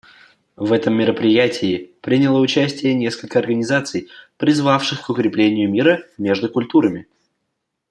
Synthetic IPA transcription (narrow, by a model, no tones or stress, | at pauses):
vɛt̪əmːʲɪɾəpɾʲɪjætʲʰɪɪpɾʲɪnʲɪlˠəʊt͡ɕæsʲtʲɪjənʲe̞skəlʲkəɐrɡənʲɪzat̪sɨjpɾʲɪzvafʂɨxkʊkɾʲɪplʲenʲɪjʊmʲiɾəmʲe̞ʐd̪ʊkʊlʲt̪uɾəmʲɪ